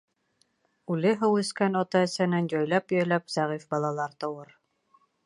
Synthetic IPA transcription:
ʉlɘɦɤwɘ̆skænɑt̪ɑɘ̆sænænjɒjlɑpjɒjlæpz̥æʁifbɑlˠɑlˠɑɾt̪ɤ̆wɤɾ

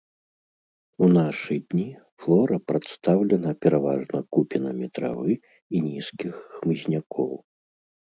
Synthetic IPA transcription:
unaʂɨd̪ʲnʲi | flˠɔɾɐpɾat̪st̪awlʲɛnɐpʲɛɾavaʐnɐkupʲinɐmʲit̪ɾa̰vɨ | inʲiskʲixːmɨzʲnʲakʰɔw

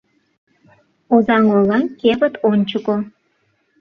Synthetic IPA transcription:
ozɑŋolɑnkeβə̆t̪ʰonʲt͡ɕəko

